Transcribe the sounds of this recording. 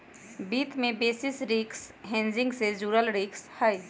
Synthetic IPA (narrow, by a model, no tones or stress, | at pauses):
biːt̪mẽbeːsɪsɾiːksɦẽːnd͡ʒɪ̃ŋɡsed͡ʒuːɾəlɾiːkshai